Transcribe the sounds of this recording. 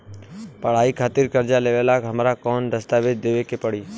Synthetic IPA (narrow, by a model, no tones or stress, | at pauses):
pəɽ̤aːikʰaːt̪ɪɾkɐɾd͡ʒaleːʋelaːkɦəmɾakɔːnd̪əst̪aːʋɪd͡ʒ̪d̪eːʋekepəɽiː